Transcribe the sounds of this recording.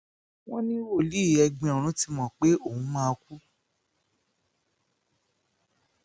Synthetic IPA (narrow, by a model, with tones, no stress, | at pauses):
w̃ɔ̃˦nĩ˦wo˦˨li˦˨ɛ˧ɡ͡bĩ˧ɔ̃˨ɾ̃ũ˨˦ti˧˦mɔ̃˦˨k͡pe˦o˦˨ũ˨˦mã˦˧ku˦